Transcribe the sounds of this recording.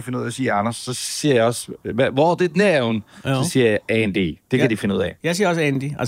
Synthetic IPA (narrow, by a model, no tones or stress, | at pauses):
fe̝nəuð̰ˠæsiːɐɑnɐsːɒ̽siɐjɑɪɒ̽sʋɒd̥e̝d̥næunsɒ̽siɐjaɛnd̥id̥e̝kʰæd̥ife̝nəuð̰ˠɛjäɪsiɐɒsænd̥iæ